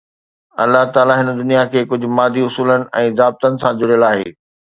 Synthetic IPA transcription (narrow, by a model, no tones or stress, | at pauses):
ɐ̰lːaɦt̪aːlaɦɪnd̪ʊnijakʰeːkʊd͡ʑʱʊ̆maːd̪ʱiʊsuːlənɪ̆ʔɛ̃ːzaːb̚t̪ənɪ̆sãd͡ʑʊɽijəlaːɦḛː